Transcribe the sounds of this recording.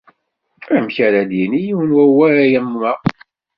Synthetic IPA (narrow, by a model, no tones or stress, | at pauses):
æmçæɾæd̪jinijiwnwæwæɾæjæmːumæʁ